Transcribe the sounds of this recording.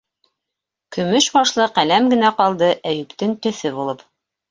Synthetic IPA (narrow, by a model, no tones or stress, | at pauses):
kɵ̆mɵʃbɑʃlˠɤqælæmɡɘ̆næqɑlˠd̪ɤʔæjɵ̆kt̪ɘŋt̪ɵ̆θɘβulˠɤp